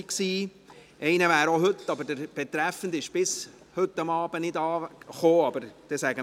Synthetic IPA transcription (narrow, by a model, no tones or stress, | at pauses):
ksiː | ɛɪnəvæːɾoɦɵt̪ːɑbəɾdəɾb̥ɛt̪ɾæfən̩d̪ɪʃb̥ɪs | hɵtːɑmɑːb̥ənɪd̪ɑːχoːɑbəɾd̥ɛsæɡə